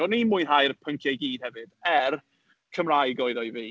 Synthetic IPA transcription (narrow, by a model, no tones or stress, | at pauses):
ɔnimujnɦajɾəpʰəŋkʰjɛjɡiːd̥hɛvɨd̥ɛr | kʰəmrajɡɔɨðɔɨviː